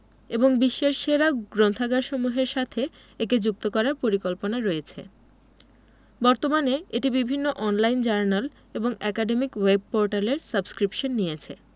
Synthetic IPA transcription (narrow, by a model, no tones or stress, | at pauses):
eboŋbiʃːeɾʃeɾaɡɾont̪ʰaɡaɾʃomuɦeɾʃat̪ʰe | eked͡ʑuk̚t̪okɔɾaɾpoɾikolponaɾoet͡ɕʰḛ | bɔɾt̪omaneeʈibibʱinːoʔɔnlajnd͡ʑaɾnal | eboŋɛkaɖemikweb̚poɾʈaleɾsabskɾipʃonːiet͡ɕʰe